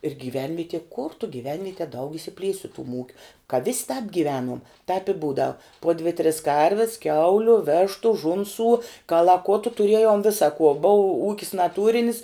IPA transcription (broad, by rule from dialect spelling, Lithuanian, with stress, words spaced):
ɪr ɡʲiːˈʋʲɛnʲʋʲiɛtʲɪ kʊr tʊ ɡʲiːˈʋʲɛnʲʋʲiɛtʲiɛ dɐʊk ɪʃʲsʲɪˈpʲlʲiɛsʲ sʊ tʊm ˈuːkʲʊ kɐ ʋʲɪsʲ tɑːp ɡʲiːˈʋʲæːnuɔm tɐɪp ɪ ˈbuːdɐʊ poː dʲʋʲɪ tʲrʲɪs ˈkɐrʲʋʲɪs ˈkʲɛʊlʲʊ ˈʋʲeːʃtʊ ˈʒʊnsuː kɐlˠɐˈkʊtʊ tʊˈrʲiɛjoːm ˈʋʲɪsɐ kuɔ boːʊ ˈuːkʲɪs nɐˈtuːrʲɪnʲɪs